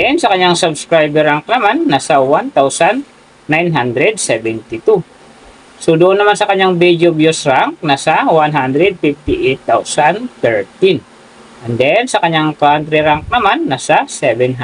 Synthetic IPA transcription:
ɛnsɐkɐɲaŋsɐbskɾajbɛɾaŋk̚nɐmanːasɐwant̪awsanː | ajnɦand̪ɾɛd̪̚sɛbɛnt̪ɪt̪u | sod̪ʊʔʊnːɐmansɐkɐɲːaŋbid̪jobjosɾaŋk̚nasɐwanɦand̪ɾɛd̪̚fift̪ɪʔɛt̪ːawsant̪ɛɹt̪in | ʔɛnd̪ɛnsɐkɐɲaŋt̪uhand̪ɾɛɾaŋk̚nɐmanːasɐsɛbɛnɦ

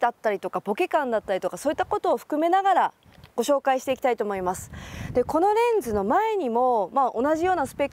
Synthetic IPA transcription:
d̪at̪ːaɾʲit̪o̞kabo̞ke̞kãnd̪at̪ːaɾʲit̪o̞kaso̞ːit̪ːako̞t̪o̞ːɸɯ̟̥kɯ̟me̞naɡaɾa | ɡ̥o̞ɕo̞ːkaiɕi̥t̪e̞ikʲi̥t̪ait̪oːmo̞imasɨ̥d̪̥e̞ko̞no̞ɾẽ̞nd͡zɨno̞mae̞ɲ̟imo̞maːʔonaʑijo̞ːnasɨ̥pe̞kː

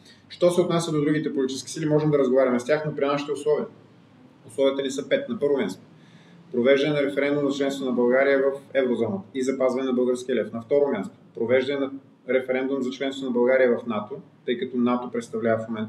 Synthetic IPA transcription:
ʃt̪ɔsɛot̪nasʲjəd̪od̪ɾuɡ̟it̪ɛpolʲit͡ʃiskʲi̥silimɔʒɛmd̪ɐɾəzɡovaɾʲɐmɛst̪ʲjaxnopɾinaʃi̥t̪ɛʊslˠɔviə | ʊslˠɔviət̪ənisɤpɛt̪nɐpɤɾvomʲjast̪o̥ | pɾovɛʒd̪ɐnɛnɐɾɛfɛɾɛnd̪umzɐt͡ʃlɛnst̪vonɐbɐlˠɡaɾijəvɐfɛvɾozɔnəizɐpazvɐnɛnɐbɤlˠɡəɾskiəlɛfnɐft̪ɔɾomʲjast̪o̥pɾovɛʒd̪ɐnɛnɐ | ɾɛfɛɾɛnd̪umzɐt͡ʃlɛnst̪onɐbɐlˠɡaɾijəvɐfnat̪ot̪ɤjkɐt̪ɔnat̪opɾɛt̪st̪ɐvlʲavɐfmomɛ̃nt̪

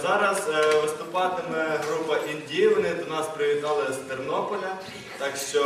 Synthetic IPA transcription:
zɑɾɐzʋɪst̪ʊpɑt̪ɪmɛɦɾupɐʔinʲdʲiʋɪnɪd̪ɔnɑspɾɪʋʲit̪ɑlˠɐst̪ernɔpɔlʲɐ | t̪ɑkʃt͡ʃɔ

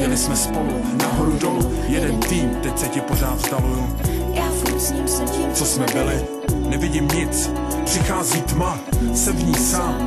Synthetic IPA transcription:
ɲɛlɪsmɛspo̞lu | naɦoɾudolufjɛdɛnt̪iːmt̪ɛcsɛcɪpo̞r̝aːt̪st̪avuju | aː | t͡sosmɛbɪlɪ | nɛvɪɟɪmɲɪt͡s | pr̥ɪxaːziːt̪ma | sɛvɲiːsaːm

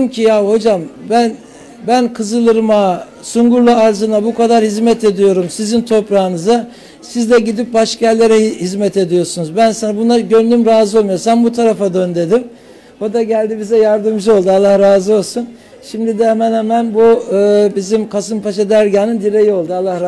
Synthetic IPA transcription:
mcʰijaho̞d͡ʒambæn | bænkʰɯzɯlˠɯɾma | suŋɡuɾlˠaːɾzɯnabukʰad̪aɾhizmɛt̪ʰe̞d̪ijo̞ɾumsizint̪ʰo̞pɾaːɯnɯza | sizd̪ʲɛɟid̪ip̚baʃkalʲːe̞ɾɛhizmɛt̪ʰe̞d̪ijo̞ɾsunuzbænsanbunaɟønlʲymɾaːzɯolˠmujoɾsanbut̪ʰaɾafad̪ønd̪e̞d̪im | od̪aɟælʲd̪ibizɛjaɾd̪ɯmd͡ʒɯo̞lˠd̪ualˠːahɾaːzɯo̞lˠsun | ʃimd̪id̪ɛhɛmænhɛmænbuɯːbizimkʰasɯmpaʃad̪æɾɟaːnɯnd̪iɾejio̞lˠd̪ualːah

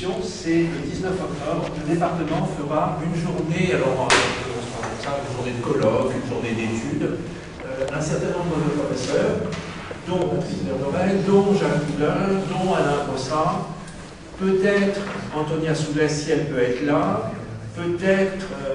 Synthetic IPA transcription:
jɔ̃sɛləd̪iznœfɔk̚t̪ɔbʁləd̪epaʁt̪əmɑ̃fəʁaynʒuʁnealɔʁɛ̃ | ɔ̃səʁãkɔmsaynʒuʁned̪əkɔlɔkynʒuʁned̪et̪yd̪ | øɛ̃sɛʁt̪ɛ̃nɔ̃mbd̪əd̪əpχɔfɛsœːʁ | d̪ɔ̃ɔ̃pχizd̪ɔnɔʁɛld̪ɔ̃ʒãkud̪œ̃d̪ɔ̃anɛ̃pɔ̃sa | pøt̪ɛt̪χɑ̃t̪ɔnjasuɡɛsiɛlpøɛt̪χlapøt̪ɛt̪χ

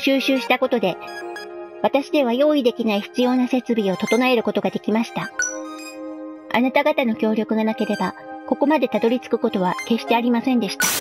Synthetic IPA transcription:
ɕɨːɕɨːɕi̥t̪ako̞t̪o̞d̪e̞ | βat̪aɕid̪e̞β̞ajo̞ːid̪e̞kʲinaiçi̥t͡sɨjo̞ːnase̞t͡sɨbʲio̞t̪o̞t̪o̞nae̞ɾɯ̟ko̞t̪o̞ɡad̪e̞kʲimaɕi̥t̪a | a̰nat̪aɡat̪ano̞kʲo̞ːɾʲo̞kɯ̟ɡanake̞ɾe̞bako̞ko̞mad̪e̞t̪ad̪o̞ɾʲit͡sɨ̥kɯ̟̥ko̞t̪o̞β̞ake̞ɕi̥t̪e̞aɾʲimasẽ̞nd̪e̞ɕi̥t̪a

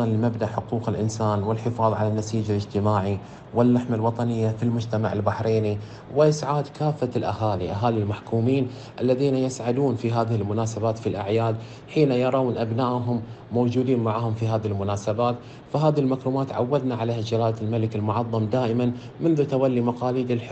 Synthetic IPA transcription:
ɑnlɪmabnaʔħʊquːqɪlʔɪnsaːnwɪlħɪfɑːðˤʕalanːasiːd͡ʒalɪd͡ʒt̪ɪmaːʕi | wɪlːaħmalwɑt̪ˤɑnɪjːafilmʊd͡ʒt̪ama̰ʕɪlbaħɾeːni | wɪʔɪsʕaːd̪kaːfːalʔa̰haːliʔaɦaːlilmaħkuːmiːn | ʔalːaðiːnajɪsʕad̪uːnfiɦaːðɪhɪlmʊnaːsabaːt̪filʔa̰ʕjaːd̪ | ħiːnajɑɾˤɑwnʔabnaːʔɦʊmː | owd͡ʒuːd̪iːnmaʕahʊmfiɦaːðɪhlmʊnaːsabaːt̪ | faɦaːðilmakɾuːmaːt̪ʕa̰wːad̪naʕalahad͡ʒalaːlalmalɪkɪlmʊʕɑðˤːɑmd̪aːʔɪman | mʊnðut̪awalːimɑqɑːliːd̪ɪlħ

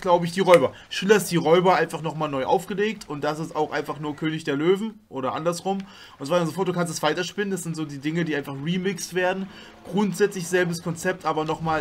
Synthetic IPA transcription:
ɡ̥laʊbəɪçd̥iːʁɔʏbɐ | ʃyːlɐɪstd̥iːʁɔʏbɐʔaɪnfaχnɔχmaːlnɔʏʔa̰ʊfɡ̥əleːk̚tʰʊnt̚d̥as̬ɪstaʊxʔaɪnfaχnuːɐkʰøːnɪçd̥eːɐløːvn̩ʔoːɾɐʔa̰ndɐsʁʊm | ʔʊntsv̥aːɪmɐzofɔːt̚d̥ukans̬tstv̥aɪtɐʃpɪnəndasz̥ɪntz̥oːdiːdɪŋədiːʔaɪnfaχʁiːmɪkstv̥eːɐdn̩ | ɡ̥ʁʊntz̥ɛt͡slɪçz̥ɛlbəskʰɔnt͡sɛp̚tʰʔaːbɐnɔχmaː

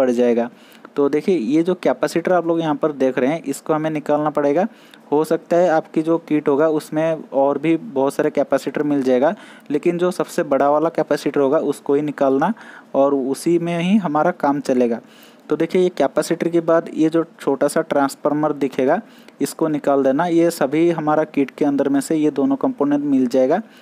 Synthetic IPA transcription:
bɐɽd͡ʒaːeːɡaː | t̪oːd̪eːkʰiejed͡ʒoːkɛːpɛːsɪʈəɾaːploːɡjɐɦãpɐɾd̪eːkʰɾɐɦeɦɛ̃ʔɪskoɦɐmẽnɪkaːlnapɐɽeːɡaː | hosɐk̚t̪aɦɛaːpkid͡ʒoːkiːʈɦoːɡaʊsmẽɔːɾbʱibɐɦʊt̪saːɾekɛːpɛːsɪʈəɾmɪld͡ʒaːeːɡaː | leːkɪnd͡ʒoːsɐbsebɐɽ̤aʋaːlakɛːpɛːsɪʈəɾɦoːɡaʔʊskoɦinɪkaːlnaɔːɾʊsimẽɦiɦɐmaːɾakaːmt͡ʃɐleːɡaː | t̪od̪eːkʰiejekɛːpɛːsɪʈəɾkebaːd̪jed͡ʒoːt͡ʃʰoːʈasaʈɾãːnsfəɾməɾd̪ɪkʰeːɡa | ɪskonɪkaːld̪eːnajesɐbʱiɦɐmaːɾakiːʈkeɐ̃nd̪əɾmẽsejed̪oːnõkɐ̃mpoːnɛ̃ɳʈmɪld͡ʒaːeːɡaː

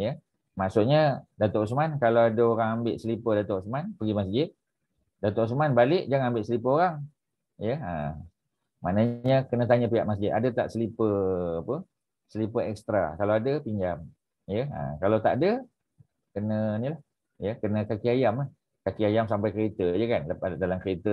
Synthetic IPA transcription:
jə | maʔsʊt̪̚ɲədat̪oʔsmankalawadəoɾaŋambɪʔsəlipədat̪osmanpəɡimasd͡ʒɪt̪̚ | dat̪oʔsmanbalɪʔd͡ʒaŋambɪʔsəlipəɦoɾaŋ | jəə̰ | ma̰nəɲəkənət̪̬aɲəpiaʔmas̬d͡ʒɪt̪adət̪a̰ʔsəlipəapə | səlipəɛkst̪ɾa̰kalawadəpiɲd͡ʒam | jəə̰kalawt̪a̰ʔdə | kənə̃nilah | jəkənəkakiajamlah | kakiajamsampajkəɾet̪əjəkanladalamkəɾet̪ə

